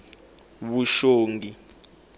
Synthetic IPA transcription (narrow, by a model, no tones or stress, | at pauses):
βuʃoːŋɡi